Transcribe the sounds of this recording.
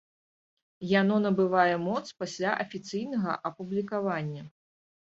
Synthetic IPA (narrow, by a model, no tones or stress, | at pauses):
janɔnɐbɨvajɛmɔt̪spasʲlʲaʔɐfʲit̪sɨjnɐɣɐ̰ʔɐpublʲikavanʲːɐ